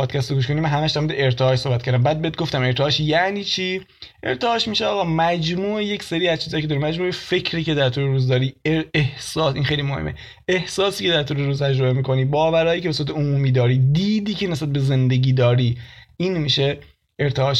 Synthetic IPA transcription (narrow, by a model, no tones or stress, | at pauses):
ɒːd̪̥̚cʰæst̪oɡuʃko̞nimænɦæmæʃd̪æɾmuːd̪eeɾt̪ʰeɒːʃso̞hbæt̪kʰæɾd̪æmbæːd̪̚beet̪̚ɡo̞ft̪æme̞ɾt̪ʰeɒːʃjæʔniːt͡ʃʰiːʔe̞̰ɾt̪ʰeɒːʃmiːʃeɒːɣɒːmæd͡ʒmuːejecse̞ɾiːæzt͡ʃʰiːzɒːjiced̪ɒɾimæd͡ʒmuːefe̞cʰɾiːce̞d̪æɾt̪ʰuːleɾuːzd̪ɒːɾiːehsɒːsʔinxejlimohḛmːʔe̞̰ | ehsɒːsiːce̞d̪æɾt̪ʰuːleɾuːzt̪ʰæd͡ʒɾo̞bemiːkʰo̞niːbɒːvæɾɒːjiːcʰee̞s̬uɾæt̪̬ʰeomuːmiːd̪ɒːɾiːd̪iːd̪iːcʰenes̬bæt̪̚be̞ze̞nd̪e̞ɟiːd̪ɒːɾiːiːnmiːʃe | eɾt̪ʰeɒːʃ